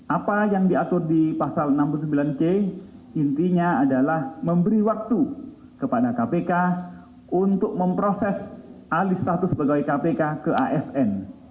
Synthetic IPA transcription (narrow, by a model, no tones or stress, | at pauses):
ʔapajaŋdiat̪ʊrdipasalənampulusəmbiland͡ʒeint̪iɲaadalahməmbəɾiwak̚t̪u | kəpadakapeka | unt̪ʊk̚məmpɾosɛsalist̪at̪ʊsbaɡawɛkapekakəʔaʔɛsɛn